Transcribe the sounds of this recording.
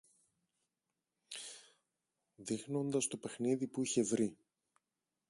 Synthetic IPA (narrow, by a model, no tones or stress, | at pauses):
ðixno̞nd̪ɐst̪o̞pe̞xniðipuiçe̞vɾi